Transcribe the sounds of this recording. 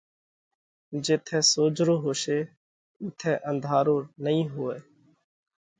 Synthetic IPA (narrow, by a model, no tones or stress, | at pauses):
d͡ʒeːt̪ʰɛ̃ːsoːd͡ʒɾoːɦoːseː | ʊt̪ʰɛ̃ːʔənd̪ʱaːɾoːnəĩːɦoːeː